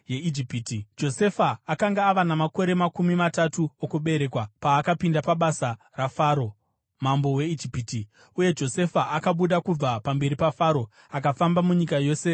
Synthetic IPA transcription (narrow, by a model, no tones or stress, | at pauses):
jeid͡ʒipitid͡ʒo̞se̞faːkaŋɡaːʋanamako̞ɾe̞makumimatatuokuɓe̞ɾe̞kwapaːkapindapaɓasa | rafaːɾo̞ | mambo̞we̞id͡ʒipiːti | uje̞d͡ʒo̞se̞faʔakaɓuɗakub͡vapambe̞ɾipafaːɾo̞ | akafambamuɲikajo̞ːse